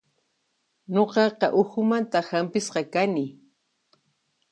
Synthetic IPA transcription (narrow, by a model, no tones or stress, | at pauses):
ɲoqɑqɑʔʊxʊmant̪ahampɪsqɑkanɪ